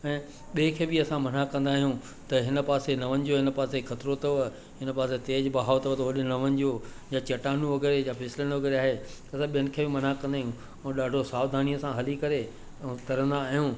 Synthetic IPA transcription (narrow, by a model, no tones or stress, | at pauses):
ɛ̃ː | ɓeːkʰeːbiɐsãmɐn̤akɐ̃nd̪aːɦijũ | t̪ɐɦɪnə̆paːsenɐʋənɪ̆d͡ʑoɦɪnə̆paːsekʰɐt̪ɾot̪ɐ | ɦɪnəpaːs̬et̪eːd͡ʑbɐɦaːot̪ɐt̪ɐʋɐɗɪnɐʋənɪ̆d͡ʑoː | jat͡ɕɐʈaːnũʋɐɡɛːɾejafʰɛːsɪlənʋɐɡɛːɾeaːɦet̪ɐɐsãɓijənɪ̆kʰeːbɪmɐnakɐ̃nd̪aːɦjũ | ɛ̃ːɗaːɖʱosaːʋd̪ʱaːnijəsãɦɐlikɐɾe | t̪ɐɾə̃nd̪aːɦijũ